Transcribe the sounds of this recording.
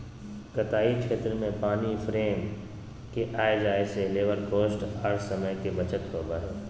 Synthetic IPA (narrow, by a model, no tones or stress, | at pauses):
kɐt̪aːikʃʰeːt̪ɾəmẽpaːnifʰɾeːm | keʔaːed͡ʒaːeseleːʋəɾkoːsʈaːɾsɐməjkebɐt͡ʃət̪ɦoːbaːɦɛː